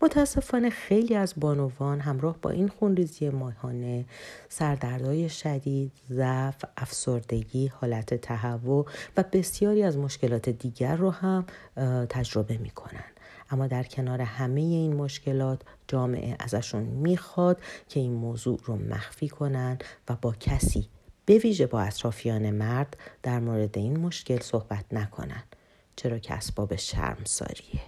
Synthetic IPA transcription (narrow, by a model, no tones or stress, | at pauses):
mot̪ʰææsːe̞fɒːne̞xejliːæzbɒːnovɒːnɦæmɾɒːhbɒ̰ʔinxunriːzijemɒːhɒːne̞sæɾd̪æɾd̪ɒːje̞ʃæd̪iːd̪̥zæfæfsoɾd̪e̞ɟiːhɒːlæt̪ʰe̞t̪ʰæɦævːovæbe̞sjɒːɾiːæzmo̞ʃce̞lɒːt̪ʰe̞d̪iːɟæɾːohæmt̪ʰæd͡ʒɾo̞be̞mḭːkʰo̞̰næ̰nd̪̥ | ʔæmːɒːd̪æɾcʰe̞nɒːɾe̞hæme̞je̞iːnmo̞ʃce̞lɒːt̪ʰd͡ʒɒːme̞̰ʔeʔæ̰zæʃunmiːxɒːd̪̥cʰe̞iːnmoːzuːʔromʔæ̰xfiːkʰo̞nænd̪væbɒːcʰæsiːb̥e̞viːʒe̞bɒːæt̪ʰɾɒːfijɒːne̞mæɾd̪ːæɾmoːɾe̞d̪e̞iːnmo̞ʃce̞lso̞hbæt̪ʰnækʰo̞̰næ̰nd̥̪ | t͡ʃʰe̞ɾɒːcʰḛæ̰sb̥ɒːbe̞ʃæ̰ɾmsɒ̰ːɾiːe